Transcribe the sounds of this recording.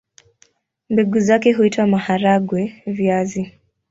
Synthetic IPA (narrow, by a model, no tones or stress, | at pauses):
mbɛɡuzakɛɦuitwamahaɾaɡwɛviazi